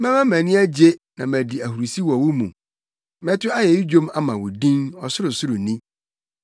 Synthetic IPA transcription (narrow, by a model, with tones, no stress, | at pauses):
mɛ̃˦mɛ̃˦mæ̃˨nɪ̃˦æ˦d͡ʑe˦nã˨mæ̃˨di˨æ˨hu˨ɾu˨si˦wɔ˨wʊ˦mṵ̃˨ | mɛ̃˦tʰʊ˦a˦jɛ˨i˦d͡ʑõ˦ma˦mã˨wʊ˨dĩ˦nɔ˨sʊ˦ɾʊ˨sʊ˦ɾʊ˨nĩ˦